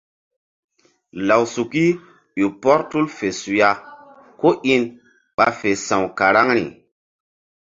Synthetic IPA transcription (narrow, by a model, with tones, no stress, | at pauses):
la˨wsu˨ki˦ | ju˨pɔ˦ɾtu˦lfe˨su˨ja˦ | ko˦ʔi˦n | ɓa˨fe˨sã˨wka˨ɾa˦ŋɾḭ˨